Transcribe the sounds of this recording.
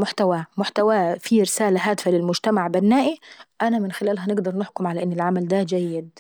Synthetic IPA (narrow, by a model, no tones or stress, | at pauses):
mʊħt̪awæːmʊħt̪awæːfiɾɪsæːlaɦæːd̪ɪfælɪlmʊd͡ʒt̪amaʕbanːaːʔiʔænæmɪnxɪlæːlɦænɪɡd̪ɑɾˤnɪħkʊmʕalæʔɪnːɪlʕamæld̪æd͡ʒæjːɪd̪